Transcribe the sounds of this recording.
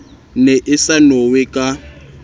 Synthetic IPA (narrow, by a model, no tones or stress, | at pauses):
neʔɪsanowekʼa